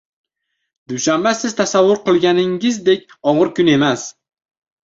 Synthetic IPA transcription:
d̪̥ʊʃambasɪz̥t̪ʰasavːʊɾqɨlˠɡʲanɪŋɪzd̪e̞kʲ | ɒʁɨɾkʊne̞mas

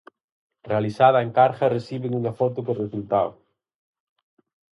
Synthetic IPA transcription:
realisaðɐeŋkaɾxɐresiβeŋuŋafɔt̪ʊkoresult̪aw

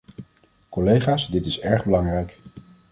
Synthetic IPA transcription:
kɔlejχaːsdɪtɪsɛɹχbəlɑŋrɛjk

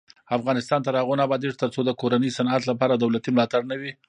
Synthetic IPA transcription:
afɣɑnɪst̪ɑnt̪aɾɑɣonabɑd̪eʐt̪əɾt͡sod̪əkoɾanəjsanat̪lapɑɾad̪awlat̪imlɑt̪aɽnawi

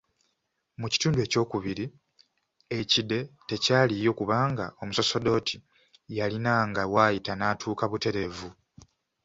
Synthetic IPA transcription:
muci̥tuːndue̞ːco̞ːkuβiɾi | e̞cide̞te̞caːlijo̞kuβaːŋɡa̰o̞muso̞so̞do̞ːtʰi | jalinaŋɡawaːjitanaːtʰuːkaβute̞ɾe̞vu

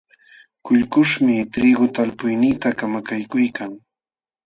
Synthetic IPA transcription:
kʊʎkʊʃmɪt̪ɾiɡʊt̪alpʊjnɪt̪akamakajkʊjkaŋ

